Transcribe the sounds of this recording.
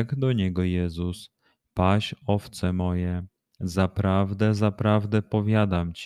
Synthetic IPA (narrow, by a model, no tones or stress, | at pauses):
ɛɡd̪ɔɲɛɡɔjɛzus | paɕɔft̪sɛmɔjɛ | zapɾavd̪ɛzapɾavd̪ɛpɔvʲjad̪amt͡ɕ